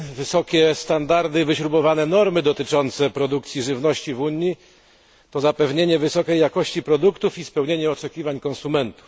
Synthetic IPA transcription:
vɘsɔkʲɛst̪and̪aɾd̪ɘvɘɕɾubɔvanɛnɔɾmɘd̪ɔt̪ɘt͡ʂɔnt̪sɛpɾɔd̪uk̚t̪sʲjiʐɘvnɔɕt͡ɕivuɲːi | t̪ɔzapɛvɲeɲɛvɘsɔkɛjːakɔɕt͡ɕipɾɔd̪ukt̪ufispɛwɲeɲɛɔt͡ʂɛkʲivaɲkɔnsumɛnt̪u̥f

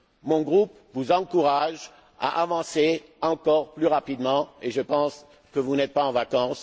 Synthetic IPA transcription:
mɔ̃ɡʁup | vuzɑ̃kuʁaʒ | a̰ʔavɑ̃seɑ̃kɔʁplyʁapid̪mɑ̃eʒəpɑ̃s | kəvunɛt̪̚paɑ̃vakɑ̃s

